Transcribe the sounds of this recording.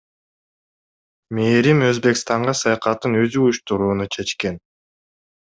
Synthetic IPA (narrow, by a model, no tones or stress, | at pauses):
me̞ːɾimø̞zbe̞kst̪ɑɴɢɑsɑjɑqɑt̪ɯnø̞zyujuʃt̪uɾuːnut͡ʃʰe̞t͡ʃke̞n